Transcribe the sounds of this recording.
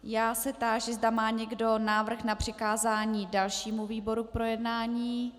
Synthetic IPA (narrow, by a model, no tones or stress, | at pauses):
jaːsɛt̪aːʒɛzdamaːɲɛɡdo̞naːvr̩xnapr̝̥ɪkaːzaːɲiːdalʃiːmuviːbo̞ɾuk̚pɾo̞jɛdnaːɲiː